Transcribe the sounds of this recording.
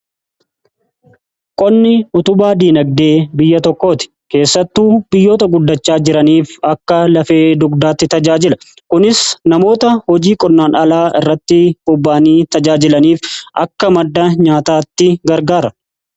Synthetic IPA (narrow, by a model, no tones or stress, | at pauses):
kʼɔnːɪʊt̪ʊbaːd̪iːnɐɡ̚d̪e̞ːbɪjːɐt̪ɔkːo̞ːt̪ɪ̥ke̞ːsːɐt̪ːuːbɪjːo̞ːt̪ɐɡʊd̪ːɐt͡ʃːaːd͡ʒɪɾɐniːfɐkːɐlɐfe̞ːd̪ʊɡd̪aːt̪ːɪt̪ɐd͡ʒaːd͡ʒɪlɐ | kʊnɪsnɐmo̞ːt̪ɐhɔd͡ʒiːkʼɔnːaːnɐlaːʔɪrːɐt̪ːɪhʊbːaːniːt̪ɐd͡ʒaːd͡ʒɪlɐniːfʔɐ̰kːɐmɐd̪ːɐɲaːt̪aːt̪ːɪɡɐɾɡaːɾɐ